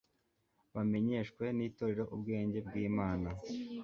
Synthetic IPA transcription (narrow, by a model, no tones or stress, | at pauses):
βame̞ɲe̞ːʃkwe̞niːto̞ɾe̞ɾo̞ʔubɡe̞ːɲɟe̞bɡiːmaːna